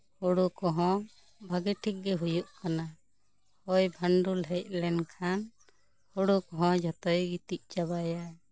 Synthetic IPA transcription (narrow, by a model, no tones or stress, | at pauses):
hɔɽukɔɦɔ̃ | bʱaɡɛʈʰik̚ɡɛɦujuʔkana | hɔjbʱaɳɖulɦɛjt̪̚ˀlɛɳkʰan | hɔɽukɔɦɔ̃d͡ʒɔt̪ɔjɡit̪iʔ̚t͡ʃabaja